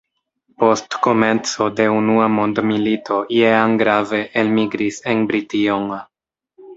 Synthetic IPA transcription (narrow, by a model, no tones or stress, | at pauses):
po̞stko̞me̞nt͡so̞de̞unuamo̞ndmilitʰo̞jeanɡɾave̞ʔelmiɡɾise̞nbɾitioŋ